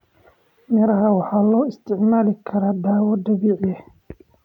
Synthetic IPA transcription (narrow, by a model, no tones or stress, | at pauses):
mɛɾɐɦɐwɑħɑːlɔːɪst̪ʰɪʕmaːlɪkʰɐɾaːd̪aːwɐd̪ɐβiːʕjɐ